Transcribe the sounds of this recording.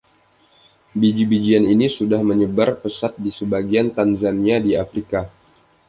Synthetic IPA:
bid͡ʒibid͡ʒianinisudahməɲəbarpəsat̪̚disəbaɡiant̪anzaniadiafɾika

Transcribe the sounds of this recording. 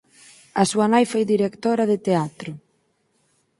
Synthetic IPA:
ɐsuanajfojðiɾekt̪oɾaðet̪eat̪ɾʊ

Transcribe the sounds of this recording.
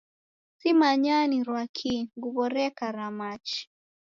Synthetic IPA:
simaɲaniɾwakʰiŋɡuβɔɾɛkaɾamat͡ʃi̥

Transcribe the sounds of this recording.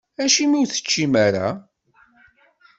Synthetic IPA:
æʃimiwθə̥t͡ʃːimaɾa̰

